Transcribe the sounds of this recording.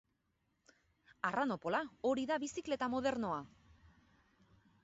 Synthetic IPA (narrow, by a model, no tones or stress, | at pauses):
arano̞po̞lao̞ɾiðaβisikle̞t̪amo̞ðe̞ɾno̞a